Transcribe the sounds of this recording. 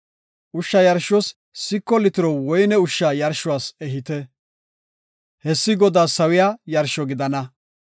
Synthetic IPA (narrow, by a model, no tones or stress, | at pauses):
ʔʊʃːɐjɐɾʃɔs | sɪkːɔlɪt̪ɪɾɔwɔjnɛʊʃːaːjɐɾʃʊwaːsɛɦɪt̪ɛ | hɛsːɪɡɔd̪aːsɐwɪjaːjɐɾʃɔɡɪd̪ɐnɐ